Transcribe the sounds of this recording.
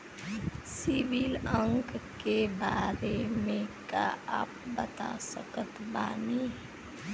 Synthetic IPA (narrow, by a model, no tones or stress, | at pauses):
siʋiːləŋkkebaːɾemẽka̰aːp̚bɐt̪a̰səkət̪ba̰ːniː